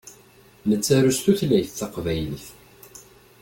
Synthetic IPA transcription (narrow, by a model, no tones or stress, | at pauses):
nət͡sːæɾust̪uθlæjθθɑqvæjliθ